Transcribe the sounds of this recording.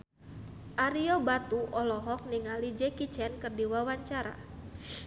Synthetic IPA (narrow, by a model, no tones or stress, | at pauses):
ʔaɾiɔbat̪uʔɔlɔɦɔk̚niŋalid͡ʒɛkit͡ʃɛnkərdiwawaɲt͡ʃaɾa̰